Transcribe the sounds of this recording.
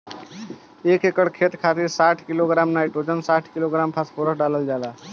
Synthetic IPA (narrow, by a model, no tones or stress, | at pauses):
ekekəɽkʰet̪kʰat̪iɾsaʈʰkiloɡɾamnaiʈod͡ʒənsaʈʰkiloɡɾampʰaspoɾəsɖaləld͡ʒala